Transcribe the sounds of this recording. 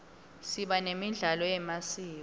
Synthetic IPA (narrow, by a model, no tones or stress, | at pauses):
siɓanemiɮalɔjɛmasiː